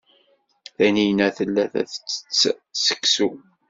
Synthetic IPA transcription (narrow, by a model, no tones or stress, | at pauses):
θænijnæθəlːæθæ̰θət͡sːə̥t͡sːsə̥kːsu